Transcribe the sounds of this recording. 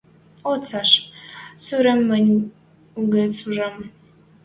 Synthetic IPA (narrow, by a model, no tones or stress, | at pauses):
ot͡sɑʃsyɾə̆mːə̆nʲ | uɡesuʒəm